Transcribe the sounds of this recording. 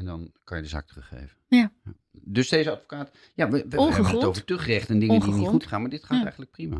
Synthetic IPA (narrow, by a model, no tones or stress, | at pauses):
ɛndɑnkɑnjədəza̰ːk̚tərɵχḛjvəja | døsd̥ejzəɑtfo̥kaːt | jaːʋəʋəɛəəəowvəɹtɵχrɛχtəndɪŋəndiniχutχaːnmaːɹdɪtχaːtɛ̰jxənlək̚prima̰ː